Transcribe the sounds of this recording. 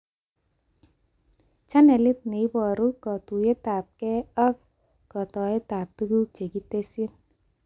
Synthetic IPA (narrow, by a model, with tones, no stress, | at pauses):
t͡ʃa˦nɛ˨li˦t̪̚ne˨i˦bɔ˨ɾu˦kɔ˨t̪u˨je˦t̪a˨p̚kɛ˦ɔ˦k̚ | kɔ˨t̪ɔ˨e˦t̪a˨p̚t̪ɯ˦ɡu˦k̚t͡ʃe˨ki˦te˦si˦n